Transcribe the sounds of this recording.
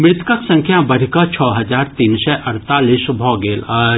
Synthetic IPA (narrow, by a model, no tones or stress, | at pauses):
mɾɪt̪kəksɐ̃ŋkʰjabɐɾʱikat͡ʃʰɔːɦɐd͡ʒaːɾt̪iːnsɛʔɐɾt̪aːlisbʱɔːɡeːla